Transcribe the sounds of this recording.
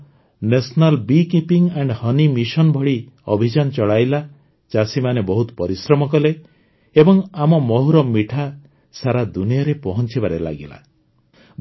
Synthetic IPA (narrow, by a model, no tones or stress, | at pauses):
nesɔnalbikipiŋeɳɖhɔnimisɔnbʱɔɽi | ɔbʱid͡ʒant͡ʃɔɭajla | t͡ʃasimanebɔɦut̪ɔ̥pɔɾisɾɔmɔk̬ɔle | ebɔŋamɔmɔɦuɾɔmiʈʰa | saɾad̪unijɔɾepɔɦɔnt͡ʃibaɾela̰ɡila̰